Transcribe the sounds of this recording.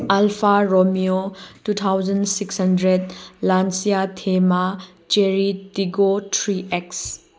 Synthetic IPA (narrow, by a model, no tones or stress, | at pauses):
alpʰaɾomiotut̪ʰawd͡ʒɐnsikshɐndɾed̚lansijatʰema | t͡ʃeɾitiɡotʰɾiʔeks